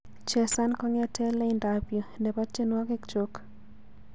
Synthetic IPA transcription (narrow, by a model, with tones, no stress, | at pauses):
t͡ʃɛ˨sa˦nkɔ˦ŋɛ˦tʰɛ˦lɛ˦ɪndapjo˨ndɛ˨ba˦t͡ʃe˦nwa˦kɪ˦kt͡ʃo˦k